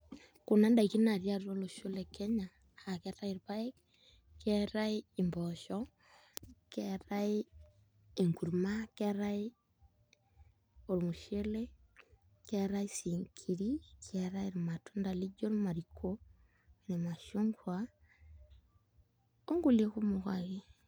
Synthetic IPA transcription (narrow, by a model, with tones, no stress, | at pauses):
ko˨na˦nda˨i˨ki˦na˨ɾjaɾuɾo˦lo˨ʃo˦leke˦ɲaː˨ | ke˦ɾa˦iɾβa˦e˦ | keɾaii˨mboʃɔ | keɾai | e˨ŋku˨ɾumake˦ɾai | o˨lo˨mu˨ʃe˦le˦ | ke˦ɾa˦i˦siŋkʰi˨ɾikeɾa˦iɾma˨tu˦nda˨li˦d͡ʒo˦ɾma˨ɾikʰo | ne˨ma˨ʃoŋɡwa | o˦ŋɡo˦˨le˦ku˦mukwa̰ɣe˦